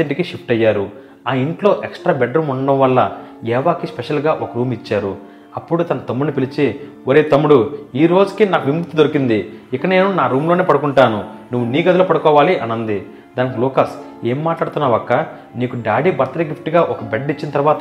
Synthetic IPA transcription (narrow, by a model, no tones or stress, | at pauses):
eɳʈikiʃipʈɐjːaːɾu | aːiɳʈlo̞ːʔeksʈɾaːbɛɖɾumuɳɖɐmʋɐlːɐjɛːʋaːkispɛʃɐlɡaːʔɔkɐɾuːmit͡ʃːaːɾu | ɐpːuɽut̪ɐnɐt̪ɐmːuɽnipilit͡ʃe | oɾeːt̪ɐmːuɽuiːɾo̞ːd͡ʒu̥kinaːkuʋimukt̪ːid̪oɾikind̪iɪkːɐne̞ːnunaːɾuːmlo̞ːne̞ːpɐɽukuɳʈaːnunuʋːuniːɡɐd̪ɐlɐpɐɽukɔːʋaːliʔɐnɐnd̪i | d̪aːnikilɔːkɐs | eːmːaːʈlaːɽt̪unːaːʋɐkːɐ | niːkuɖaːɽiːbɐɾt̪ɐɾeːɡipʰʈiɡaːʔɔkɐbeɖit͡ʃːinɐt̪ɐɾʋaːt̪